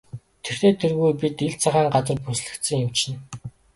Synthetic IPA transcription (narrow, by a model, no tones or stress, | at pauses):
t̪ʰer̥t̪eːt̪ʰːerɣujpit̪iɮt͡sʰaʁaːŋɢat͡sə̆rpusɮɘ̆kt̪sɘ̆ŋjʊw̥t͡ɕɪ̆n